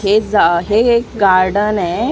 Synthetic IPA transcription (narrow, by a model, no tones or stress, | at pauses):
ed͡zaɦekɡaɾɖənɛ